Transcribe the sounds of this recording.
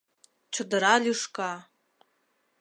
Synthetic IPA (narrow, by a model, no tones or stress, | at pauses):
t͡ʃʷʰadaɾaliʂkʼa